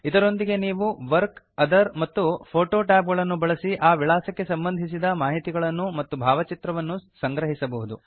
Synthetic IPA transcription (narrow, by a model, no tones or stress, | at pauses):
id̪ɐɾo̞nd̪iɡe̞niːʋuʋɐɾk | ɐd̪ɐɾmɐt̪ːupʰoːʈoːʈaːp̬ɡɐɭɐnːubɐɭɐsiʔaːʋiɭaːsɐkːe̞sɐmbɐnd̪ʱis̬id̪ɐmaːɦit̪iɡɐɭɐnːumɐt̪ːubʱaːʋɐt͡ʃit̪ɾɐʋɐnːusɐŋɡɾɐɦisɐbɐɦud̪u